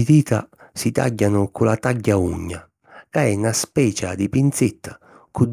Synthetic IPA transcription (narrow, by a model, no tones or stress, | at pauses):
it̪iːt̪a̰sit̪a̰ɟːanʊkʊlat̪aɟːauɲːa̰ | kaɛnaspɛːt͡ʃa̰d̪ipint̪sɪt̪ʰːḁ | kud̪